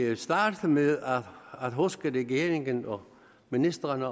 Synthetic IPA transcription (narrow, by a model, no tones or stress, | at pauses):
sd̥ɑ̈ːd̥meðˠææd̥ɦusɡ̥əʁɛɡ̥e̝ːɐʁeŋənɒ | minisd̥ʁɐn